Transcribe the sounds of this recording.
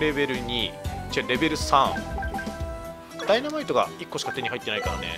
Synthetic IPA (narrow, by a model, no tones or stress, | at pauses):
ɾe̞be̞ɾɯ̟ɲ̟it͡ɕaɾe̞be̞ɾɯ̟sãŋ | d̪̥ainamait̪o̞ɡa̰ikːo̞ɕi̥kat̪e̞ɲ̟iɦait̪ːe̞naikaɾa̰ne̞̰